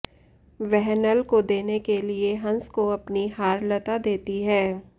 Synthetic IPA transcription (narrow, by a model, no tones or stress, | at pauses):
ʋɛɦnəlkod̪eːnekelieɦɐ̃nskoɐpniɦaːɾlɐt̪ad̪eːt̪iɦɛː